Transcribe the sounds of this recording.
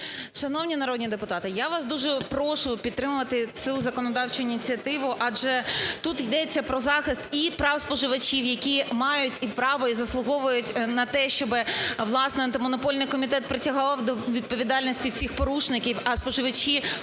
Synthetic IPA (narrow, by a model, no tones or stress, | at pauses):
ʃɐnɔwnʲinɐɾɔd̪ʲnʲid̪epʊt̪ɑt̪ɪjaʋɑsd̪uʒɛpɾɔʃʊpʲid̪̚t̪ːɾɪmʊʋɐt̪ɪt͡sʲuzɐkɔnɔd̪ɑwt͡ʃʊinʲit͡sʲiɐt̪ɪʋʊʔɑd͡ʒɛt̪ut̪jd̪ɛt͡sʲːɐpɾɔzɑxɪst̪ipɾɑwspɔʒɪʋɐt͡ʃʲiwjɐkʲimɑjʊtʲipɾɑʋɔizɐslˠʊɦɔʋʊjʊtʲnɐt̪ɛʃt͡ʃɔbɪʋlˠɑsnɛɐnt̪ɐmɔnɔpɔlʲnɪjkɔmʲit̪ɛt̪̚pɾɪtʲɐɦwd̪ɔʋʲid̪̚pɔʋʲid̪ɑlʲnɔsʲtʲiwsʲixpɔɾuʃnɪkʲiwɐspɔʒɪʋɐt͡ʃʲi